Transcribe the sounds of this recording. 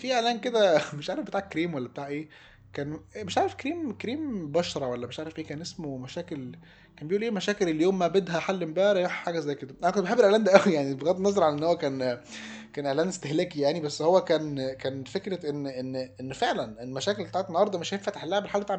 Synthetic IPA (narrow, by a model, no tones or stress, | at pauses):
fiːʔeʕlæːnked̪æmeʃʕaːɾefbet̪aːʕkːɾiːmwælːæbe̥t̪aːʕʔeː | kæːnmeʃʕaːɾefkɾiːmkɾiːmbɑʃɾˤɑwælːæmeʃʕaːɾefʔeːkæːnʔesmomæʃæːkel | kæːnmbeʔuːlʔeːmæʃæːkelelːijoːmːæbed̪hæħalːembæʔɾˤæjuħħaːɡæzæjked̪æʔænækod̪̚beħebːelʔlænd̪æʔæwijaʕnibeɣæd̪nːɑzˤɑɾˤʕalæʔenːhowːækæːn | kæːnʔeʕlæːnest̪ehlæːkijaʕnibæsːhowːækæːnkæːnfekɾeʔenːʔenːʔenːfeʕlænelmæʃæːkelbet̪aːʕet̪enːɑhɑɾˤd̪ˤɑmeʃenfæt̪eħelːæhæbelħalːbet̪aʕ